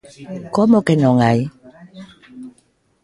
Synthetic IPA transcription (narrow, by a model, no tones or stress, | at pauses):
komokenoŋaj